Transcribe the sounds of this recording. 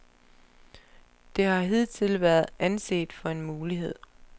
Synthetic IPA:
d̥e̝hɑ̈ɦeð̰ˠt͡sʰe̝lʋæːɐðˠænse̝̰ːd̥fɒ̽e̝nmuːliɦe̝ð̞̰ˠ

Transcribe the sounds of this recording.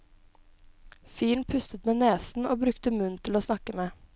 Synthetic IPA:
fiːɳ̩pʰʉst̪ət̪meːneːsn̩oːbɾʉkt̪əmʉnt̪ʰɪloːsnɑkəmeː

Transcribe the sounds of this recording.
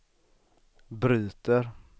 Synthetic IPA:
bɾyːt̪əɾ

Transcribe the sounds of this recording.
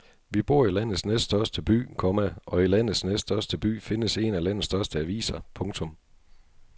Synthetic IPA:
ʋib̥o̝ɐ̰ilæn̰ð̩snesd̥d̥ɶɐsd̥əb̥y̰ːkʰɒ̽mæʔɒ̽ilæn̰ð̩ˠsnesdd̥ɶɐsd̥əb̥y̰ːfe̝nəse̝nælæn̰ð̩ˠsd̥ɶɐsd̥əæʋḭːsɐpʰɔ̽ŋt͡sʰɔ̽m

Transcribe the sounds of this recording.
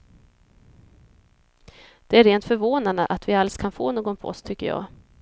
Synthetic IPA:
d̪̥ɛæɾeːnt̪fœɾvoːnand̪ə̰ʔat̪vɪalskʰanfo̰ːnoːɡɔnpʰɔɔ̰st̪ʰʏkːəjɑ̰ː

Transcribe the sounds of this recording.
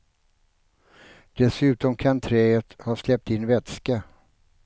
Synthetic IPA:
d̪̥ɛsʉ̟ːt̪ɔmkʰant̪ʰɾɛːət̪haslɛp̚t̪ɪnːvɛt̪ska

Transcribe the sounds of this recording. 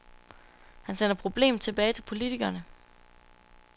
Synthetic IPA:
hænsenɐpʰʁo̝b̥le̝̰ːm̩ˠt͡sʰe̝b̥ɛːɪt͡sʰe̝lpʰo̝lit͡sʰiɡ̥ɐnə

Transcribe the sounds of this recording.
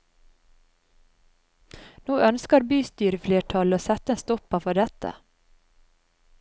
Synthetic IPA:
noːʔœnskəɾbyːst̪yːɾəfleːʈʰɑloːsɛt̪əeːnst̪ɔpɑfɔɖɛt̪ə̰

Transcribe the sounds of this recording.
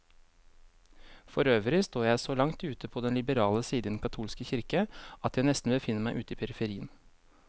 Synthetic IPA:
fɔɾøːʋəlɪst̪oːjæɪsoːlɑŋt̪ʉːt̪əpʰoːd̪ɛnlɪbəɾɑːləsiːd̪əd̪n̩kɑt̪ʰuːlskəçɪɾkəɑt̪jæɪnɛst̪n̩bəfɪnːəmæɪʔʉːt̪iːpʰɛɾɪfəɾiːən

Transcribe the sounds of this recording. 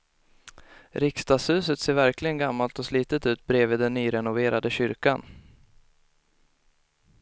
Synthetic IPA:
ɾɪkst̪ɑːshʉ̟ːsət̪seːɾvæɾklɪɡənɡamːalt̪ɔsliːt̪ət̪ʉ̟ːt̪̚bɾeːviːd̪ɛnːyːɾɛnʊveːɾad̪əɕʏɾka̰n

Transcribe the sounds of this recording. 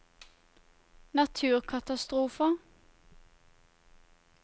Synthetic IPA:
nɑt̪ʰʉːʁkʰɑt̪ɑst̪ʁuːfə

